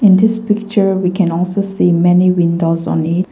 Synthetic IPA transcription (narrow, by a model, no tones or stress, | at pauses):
ɪ̃nd̪ɪspɪk̚t͡ʃə˞wikʰɛ̃nɔlsosimɛniwĩndozɔ̰̃nit